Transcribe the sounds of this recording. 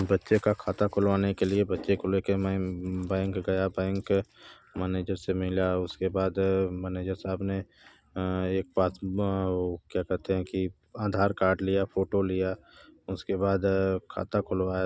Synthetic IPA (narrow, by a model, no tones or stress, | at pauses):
bɐtːʃekakʰaːt̪akʰʊlʋaːnekeliebɐtːʃekʰʊlekemɛ̃bɛ̃ːŋkɡɐjabɛ̃ːŋk | mɛːneːd͡ʒəɾsemɪlaʊskebaːd̪mɛːneːd͡ʒəɾsaːbne | eːk̚baːt̪ | kjaːkɛɦt̪eɦɛ̃ki | aːd̪ʱaːɾkaːɾɖlijapʰoːʈolijaʊskebaːd̪kʰa̰ːt̪akʰʊlʋaːja